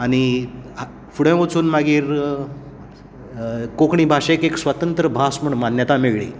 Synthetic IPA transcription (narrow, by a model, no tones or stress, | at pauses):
añi | fuɽə̃ʋot͡suːnmaɡiːɾ | kokɳibʱaʂekeksʋət̪ənt̪ɾəbʱasm̤əɳmanjət̪ameɭɭḭː